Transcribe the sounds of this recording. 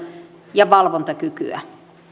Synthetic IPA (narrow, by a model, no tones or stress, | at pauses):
jɑʋɑlʋont̪ɑkyky̰æ̰